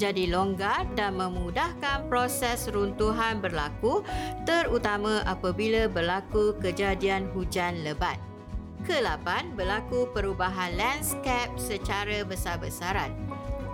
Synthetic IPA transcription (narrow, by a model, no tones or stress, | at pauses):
d͡ʒadiloŋɡardanmə̃mudahkanpɾosɛsɾunt̪uɦanbərlakut̪əɾut̪amãʔapabilabərlakukəd͡ʒadianɦud͡ʒanləbat̪̚ | kəlapanbərlakupəɾubaɦanlanskɛp̚sət͡ʃaɾabəsabəsaɾan̚